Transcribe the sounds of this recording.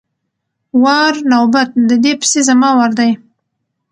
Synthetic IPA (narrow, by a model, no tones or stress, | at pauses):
wɑɾnawbat̪̚d̪əd̪epsezamɑwaɾd̪aj